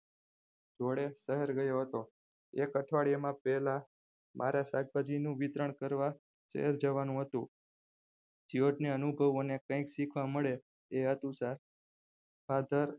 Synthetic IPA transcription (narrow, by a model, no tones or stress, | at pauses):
d͡ʒoɽesəɦeɾɡəjoɦət̪o | ekəʈʰʋaɭijamãpɛɦla | mʔa̰ɾasaɡ̚bad͡ʒinũʋit̪ɾəɳkəɾʋa | sə̰ɦɛɾd͡ʒəʋanũɦət̪ũ | d͡ʒioʈneənubʱəʋonekə̃ĩksikʰʋaməɭe | eɦət̪ũsaɾ | bad̪ʱəɾ